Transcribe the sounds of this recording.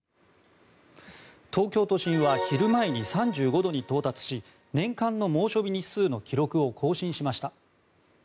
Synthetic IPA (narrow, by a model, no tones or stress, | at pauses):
t̪ʰo̞ːkʲo̞ːt̪o̞ɕĩɰ̃βaçiɾɯ̟maeɲ̟isãɲd͡ʑɨːɡo̞d̪o̞ɲ̟it̪o̞ːt̪at͡sɨ̥ɕi | nẽ̞ŋkãnːo̞mo̞ːɕo̞bʲiɲ̟isɨːno̞kʲiɾo̞kɯ̟o̞kʰo̞ːɕĩɰ̃ɕimaɕi̥t̪a